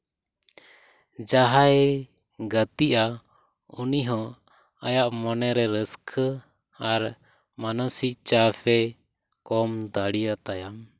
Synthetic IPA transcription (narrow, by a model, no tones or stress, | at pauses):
d͡ʒaɦaɛ | ɡət̪iʔa | uniɦɔ̃ | ajaʔmɔnɛɾɛɾəskʰ | aɾ | manɔsiʔt͡ʃapʰɛ | kɔmd̪aɽijat̪ajam